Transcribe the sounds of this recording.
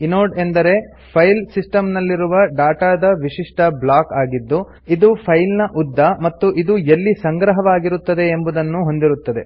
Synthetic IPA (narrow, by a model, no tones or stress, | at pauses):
inoːɖe̞nd̪ɐɾe̞ | pʰɐjlsisʈɐmnɐlːiɾuʋɐɖaːʈaːd̪ɐʋiʂiʂʈɐblaːkaːɡid̪ːu | id̪upʰɐjlnɐʔud̪ʱːɐmɐt̪ːuʔid̪uelːisɐŋɡɾɐɦɐʋaːɡiɾut̪ːɐd̪e̞ːmbud̪ɐnːuɦo̞nd̪iɾut̪ːɐd̪e̞̰